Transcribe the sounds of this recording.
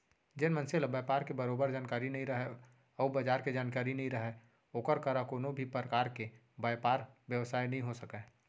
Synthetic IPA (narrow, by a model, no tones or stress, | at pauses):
d͡ʒɪnmənseləbəpaːɾkebəɾoːbəɾd͡ʒaːnkaːɾinɐɦĩɾɐɦɛ | ɔːbəd͡ʒaːɾked͡ʒaːnkaːɾinɐɦĩɾəɦɛ | oːkəɾkəɾakoːnõbʱipɾəkaːɾke | bajpaːɾʋjəʋsaːinɐɦĩɦosəkɛː